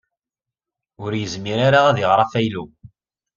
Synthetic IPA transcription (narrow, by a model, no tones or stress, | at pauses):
ʊɾjəzmiɾaɾaæðɪʁɾˤɑfæjlu